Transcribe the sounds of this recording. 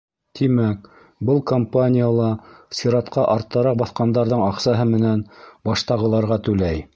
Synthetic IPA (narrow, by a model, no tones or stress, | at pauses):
t̪imæk | bɤlˠkompanʲɪjalˠɑsiɾɑt̪qɑʔɑɾt̪ːɑɾɑq̚bɑθqɑnd̪ɑɾðɤɴɑqsɑɦɤmɘ̆nænbɑʃt̪ɑʁɤ̆lˠɑɾʁɑt̪ʉlæj